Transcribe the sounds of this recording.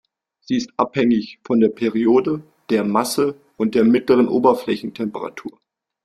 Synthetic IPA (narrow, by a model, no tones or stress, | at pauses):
z̥iːɪstʔa̰phɛŋɪçfɔndeːɐpʰɛʁioːdə | d̥eːɐmasə | ʔʊnt̚d̥eːɐmɪtləʁ̞ənʔoːbɐflɛçn̩tʰɛmpəʁa̰tʰuːɐ